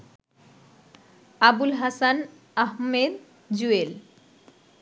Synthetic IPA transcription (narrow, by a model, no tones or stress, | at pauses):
abulɦasan | aɦmed̪̚ | d͡ʑuel